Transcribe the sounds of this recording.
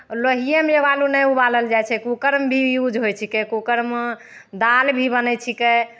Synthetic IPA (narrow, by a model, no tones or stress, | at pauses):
ləɦijəmjebalunɛubaləld͡ʒajt͡ʃʰɛkukəɾmbʱijud͡ʒɦojt͡ʃʰikɛkokəɾm | d̪albʱibənɛt͡ʃʰikɛ